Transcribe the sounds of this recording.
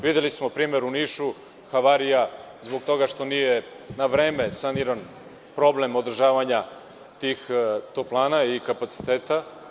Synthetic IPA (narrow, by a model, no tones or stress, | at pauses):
ʋid̪elismo̞pɾiːme̞ɾuniːʃu | xaʋaːɾija | zbo̞ɡ̚t̪o̞ɡaʃt̪o̞nijenaʋɾe̞ːme̞saniɾan | pɾo̞blemo̞d̪r̩ʒaːʋaɲa | t̪iːxt̪oplˠaːnaikapat̪si̥t̪eːt̪a